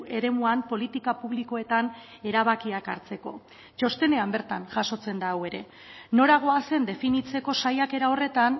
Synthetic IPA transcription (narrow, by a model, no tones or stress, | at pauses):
e̞ɾe̞muampo̞lit̪ikapuβliko̞e̞t̪an | e̞ɾaβ̞akiakaɾt͡se̞ko̞̰ | t͡ʃo̞st̪e̞ne̞ambe̞ɾt̪anʝaso̞t͡se̞nd̪awe̞ɾe̞ | no̞ɾaɣ̞o̞ase̞nd̪e̞finit͡se̞ko̞sajake̞ɾao̞re̞t̪an